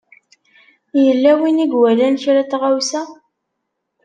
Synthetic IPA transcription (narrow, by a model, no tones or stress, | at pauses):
jəlːæwiniɡwælænçɾæt̪ːʁawsæ